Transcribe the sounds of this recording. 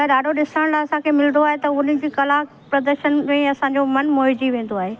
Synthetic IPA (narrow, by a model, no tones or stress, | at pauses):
əɗaːɖʱoɗɪsəɽ̃laɪɐsãkʰemɪlnd̪oaːɦet̪ɐʊnɪd͡ʑiːkɐlaːk | pɾɐd̪əɾʃənmẽɐsãɲd͡ʑomɐnmoːɪd͡ʑiʋẽːn̆d̪oaːɦeː